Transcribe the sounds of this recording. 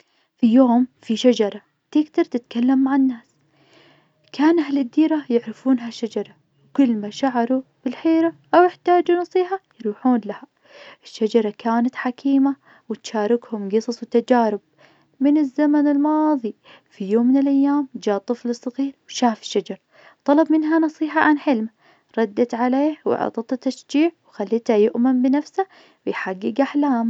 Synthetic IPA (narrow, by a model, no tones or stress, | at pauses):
fijoːmfiʃad͡ʒɑɾˤɑ | t̪ɪɡt̪ɑɾˤt̪ɪt̪kalːamːaʕanːaːs | kaːnahlɪd̪ːiːɾajɪʕɾɪfuːnɦaʃːad͡ʒɑɾˤɑ | wkʊlːmaʃaʕɑɾˤub̥ɪlħeːɾaʔawjɪħt̪aːd͡ʒunɑsˤiːɦajɾuːħuːnlaha | ʔɪʃːad͡ʒɑɾˤɑkaːnat̪ħakʰiːma | wɪt̪ʃaːɾˤɪkhʊmɡɨsˤɑsˤwt̪ad͡ʒaːɾɪb̚ | mɪnɪzːamanɪlmɑːðˤi | fijoːmːɪnɪlʔajːaːmd͡ʒaːt̪ˤːɨflɨsˤːɑɣiːɾwʃaːfɪ̥ʃːad͡ʒɑɾˤ | t̪ˤɑlɑbmɪnɦanɑsˤiːħɑʕanħɪlma | ɾˤɑd̪ːat̪ʕaleːhw̰ʕɑ̰t̪ˤɑt̪at̪ːaʃd͡ʒiːʕwxalːiːt̪hajʊʔmɪnbɪnafsa | wɪjħaɡːɪɡʔaħlaːm